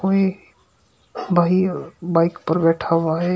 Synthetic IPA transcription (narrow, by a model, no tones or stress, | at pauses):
koːi | bʱaːibaːɪkpəɾbɛːʈʰaʋaɦɛ